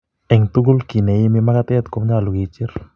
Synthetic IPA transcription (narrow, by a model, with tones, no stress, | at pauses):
ɛ˨ŋt̪u˦ɡo˦lki˨nɛ˨ɪ˦mɪ˦ma˦ɡa˦t̪ɪ˦ɛ˦t̪ko˦mɲa˦˨lʊ˨ɡi˨t͡ʃɪ˦ɾ